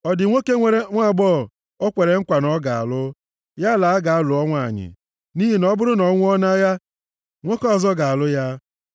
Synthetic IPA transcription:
ɔ˨dɪ˨ŋʷe˦ke˦ŋʷe˨ɾe˦ŋʷa˦˨ɡ͡bɔ˦˨ | o˦kʷe˨ɾe˨ŋ̩˦kʷa˨nɔ˦ɡa˨a̰˨lʊ˦ | ja˦la˨a˦ɡa˨a˦lʊ˨ɔ˦ŋʷa̰˦˨ɲɪ̰˨ | ni˦ɦi˨nɔ˦bʊ˦ɾʊ˦nɔ˨˦ŋʷʊ˦ɔ˦na˦ja˦ | ŋʷe˦kɔ˦˨zɔ˦ɡa˨a˨lʊ˦ja˦

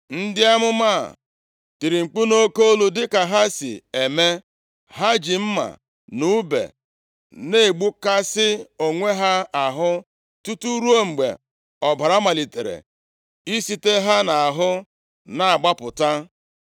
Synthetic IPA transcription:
n̩˦dɪ˦a˦mʊ˦ma̰˦˨ | ti˨ɾi˨ŋ͡m̩˨k͡pu˦no˦ko˦o˦lu˦dɪ˦ka˨ɦa˦sḭ˨e˨me˦ | ɦa˦d͡ʒi˨m̩˦ma̰˨ | nu˦bḛ˨ | ne˦˨ɡ͡bu˦ka˦sɪ˦o˨ŋʷe˦ɦa˦a˨ɦʊ˦ | tu˦tu˦ɾu˦o˦ŋ͡m̩˨ɡ͡bḛ˨ | ɔ˨ba˨ɾa˦ma˨li˨te˨ɾḛ˨ | i˦si˦te˦ɦa˦na˨a˨ɦʊ˦ | na˨a˨ɡ͡ba˦pʊ˨ta˦

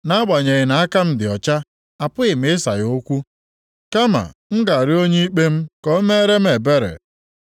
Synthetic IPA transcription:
na˦ɡ͡ba˨ɲe˨ɣɪ˨na˨a˦ka˦m̩˦dɪ˨ɔ˨t͡ʃa˦ | a˨pʊ˦ɪ˨m̩˦ɪ˦sa̰˨jo˦kʷu˦ | ka˦ma̰˨ŋ̩˦ɡa˨ɾɪ˦o˦ɲe˦i˦k͡pe˦m̩˦kɔ˨˦me˦ɾe˦m̩˦e˨be˦ɾḛ˨

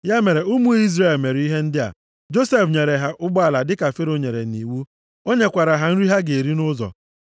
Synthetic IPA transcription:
ja˦me˨ɾe˨u˦mu˦i˦zre˦˨lme˨ɾi˦ɦe˦n̩˦dɪ˦a̰˨ | d͡ʒo˦se˦fɲe˨ɾe˨ɦa˨ʔʊ˦ɡ͡ba˨la˨dɪ˦ka˨fe˦ɾo˦ɲe˨ɾḛ˨ni˨wu˦ | o˦ɲe˦kʷa˨ɾa˨ɦa˨n̩˦ɾi˦ɦa˦ɡe˨e˨ɾi˦nʊ˦zɔ̰˨

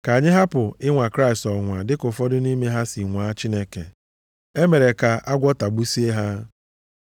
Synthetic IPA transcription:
ka˨ɲɪ˦ɦa˦pʊ˨ɪ˦ŋʷa˨kɾa˦i˨stɔ˨ŋʷa˨dɪ˦kʊ˨fɔ˦dʊ˦ni˦me˦ɦa˦si˨ŋʷaː˨˦t͡ʃi˦ne˦ke˨ | e˦me˨ɾe˨ka˨ʔa˦ɡʷɔ˦ta˨ɡ͡bu˦si˦e˦ɦa˦

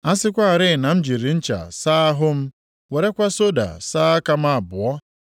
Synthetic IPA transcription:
a˦sɪ˦kʷa˦a˨ɾɪ˦˨na˨m̩˦d͡ʒi˨ɾi˨n̩˦t͡ʃa̰˨saː˦a˦ɦʊ˦m̩˦ | we˨ɾe˦kʷa˦so˦da̰˨saː˦a˦ka˦m˦a˦˨bʊ˨ɔ˦

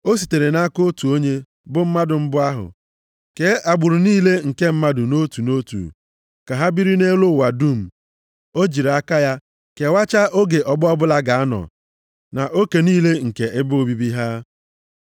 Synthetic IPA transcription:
o˦si˨te˨ɾe˨na˦ko˦tu˨o˦ɲe˦ | bʊ˦m̩˦ma˦dʊ˨m̩˦bʊ˦a˦ɦʊ̰˨ | ke˨˦ʔa˨ɡ͡bʊ˨ɾʊ˨niː˦le˦ŋ̩˨ke˦m̩˦ma˦dʊ˨no˦tu˨no˦tṵ˨ | ka˨ɦa˦bi˦ɾi˦ne˦lʊ˦˨wa˨du˦˨m̩˨ | o˦d͡ʒi˨ɾa˦ka˦ja˦ | ke˨wa˦t͡ʃa˦ʔo˦ɡe˨ʔɔ˨ɡ͡bʊ˦ɔ˦bʊ˦la˦ɡa˨a˦nɔ̰˨ | na˨ʔo˦ke˨niː˦le˦ŋ̩˨ke˨ɪ˦bʊ˦o˦bi˦bi˦ɦa˦

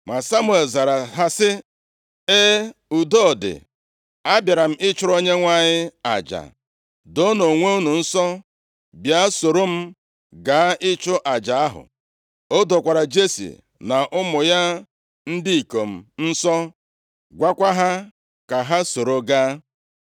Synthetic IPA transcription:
mʷa˨sa˦mʊ˦e˨lza˨ɾa˨ɦa˦sɪ˦ | e˦u˨do˦˨dɪ̰˨ | a˦bja˨ɾa˨m̩˦ɪ˦t͡ʃʊ˦ɾo˦ɲe˦ŋʷa˦ɲɪ˦a̰˨d͡ʒa̰˨ | do˦no˨ŋʷe˦u˦nu˨n̩˦sɔ˦ | bja˦so˨ɾo˦m̩˦ | ɡa˨˦ʔɪ˦t͡ʃʊ˦ʔa˨d͡ʒa˨a˦ɦʊ̰˨ | o˦do˨kʷa˨ɾa˨d͡ʒe˦sḭ˨ | na˨ʔʊ˦mʊ˨ja˦ | n̩˦di˦i˨ko˨m̩˨n̩˦sɔ˦ | ɡʷa˦kʷa˦ɦa˦ | ka˨ɦa˦so˨ɾo˨ɡa˦

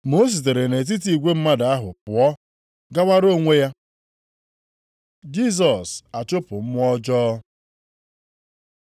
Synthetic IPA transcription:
mo˦s̬i˨t̬e˨ɾe˨ne˨t̬i˦t̬i˨ɡʷe˦m̩˦ma˦da˨a˦ɦʊ˨pʊ˨ɔ˦ | ɡa˦wa˦ɾo˦˨ŋʷe˦ja˦ | d͡ʒi˦s̬ɔ˨sa˨t͡ʃo˦pʊ˨m̩˦m˦ɔ˦d͡ʒɔː˦

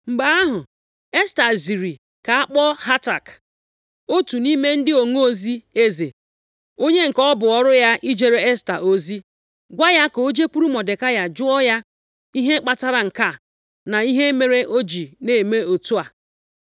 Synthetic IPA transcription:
ŋ͡m̩˨ɡ͡ba˦a˦ɦʊ˨ | e˦sta˨zi˨ɾi˨ | ka˨a˦k͡pɔ˦ha˦ta˨k | o˦tu˨ni˦me˦n̩˦dɪ˦o˨ŋo˦o˦zi˦e˦ze˨ | o˦ɲe˦ŋ̩˨kɔ˦bʊ˨ɔ˨ɾʊ˦ja˦ʔi˦d͡ʒe˨ɾe˦e˦sta̰˨ʔo˦zi˦ | ɡʷa˦ja˦ko˨o˦d͡ʒe˦kʷu˦ɾu˦mɔ˨de˨ka˦ja˨d͡ʒʊ˦ɔ˦ja˦ | i˦ɦe˦k͡pa˦ta˦ɾa˨ŋ̩˨ka˦˨ | na˨i˦ɦe˦me˨ɾe˦ʔo˦d͡ʒi˨ne˨me˦o˨tu˦a˨

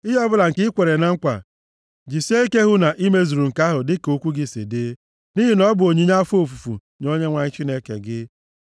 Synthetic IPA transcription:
i˦ɦɔ˦bʊ˦la˨ŋ̩˨kɪ˦kʷe˨ɾe˨na˦ŋ̩˦kʷa̰˨ | d͡ʒi˨si˦e˦i˦ke˦ɦʊ˦na˨ʔi˦me˦zu˨ɾu˨ŋ̩˨ka˦ɦʊ˨dɪ˦ko˦kʷu˦ɡɪ˦sḛ˨de˦ | ni˦ɦi˨nɔ˦bʊ˨o˨ɲi˦ɲa˦fo˦˨fu˨fṵ˨ | no˦ɲe˦ŋʷa˨ɲɪ˦t͡ʃi˦ne˦kḛ˨ɡɪ˦

